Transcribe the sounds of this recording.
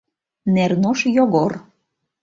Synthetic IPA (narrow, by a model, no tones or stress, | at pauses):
nernoʃjoɣor